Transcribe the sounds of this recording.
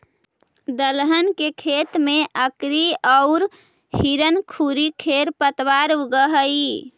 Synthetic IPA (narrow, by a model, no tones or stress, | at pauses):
d̪əlɦənkekʰet̪meʔəkɾiɔʊɾ | hiɾənkʰuɾikʰeɾpət̪ʋaɾɡəɦəi